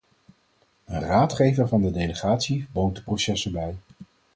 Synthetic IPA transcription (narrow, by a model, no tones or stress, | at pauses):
ənraːtχejvəɹvɑndədejləχaːtsibowntdə̥prosɛsəbɛj